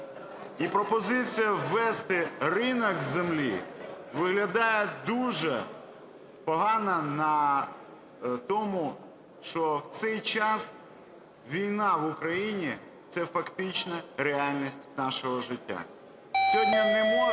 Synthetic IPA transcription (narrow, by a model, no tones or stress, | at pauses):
ipɾɔpɔzɪt͡sʲijɐʋɛst̪ɪrɪnɔkzemlʲḭʋɪɦlʲɐd̪ɑjɛd̪uʒɛ | pɔɦɑnɐnɐ | t̪ɔmu | ʃt͡ʃɔwt̪sɛjt͡ʃɑs | ʋʲijnɑʋʊkɾɐjinʲi | t̪sɛfɐkt̪ɪt͡ʃnɐɾeɑlʲnʲisʲtʲnɑʃɔɦɔʒɪtʲːa̰ | sʲɔdʲnʲɐnʲɪmɔ